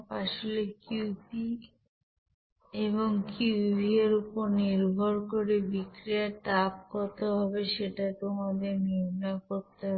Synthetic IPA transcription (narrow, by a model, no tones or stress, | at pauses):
paʃolekiupi | eβoŋkibʱieɾupoɾniɾbʱoɾkoɾebikɾiaʈap̚kɔt̪eɦɔβeʃeʈat̪omad̪eniɾnakoɾt̪eɦɔ